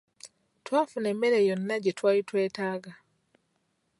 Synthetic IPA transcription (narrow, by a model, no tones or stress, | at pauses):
twaːfunemːeɾejonːaɟetwaːlitweːtaːɡa